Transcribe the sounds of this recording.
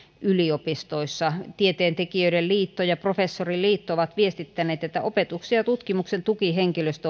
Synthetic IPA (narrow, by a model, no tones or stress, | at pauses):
yliopist̪oisːɑt̪iet̪eːnt̪ekiøiɾelliːt̪ːojɑprofesːorilliːt̪ːooʋɑt̪ʋiest̪it̪ːæneːt̪et̪ːæʔopet̪uksiɑt̪ut̪kimuksent̪ukiheŋkiløst̪æ